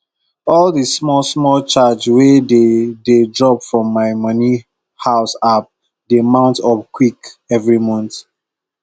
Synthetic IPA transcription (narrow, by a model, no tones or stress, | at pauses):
ɔldismɔlsmɔlt͡ʃad͡ʒwedededɹɔpfɹɔ̃mːaɪmʌni | haʊsap̚ | demãʊ̃ntɔpkʰwikɛvɹimɔ̃nt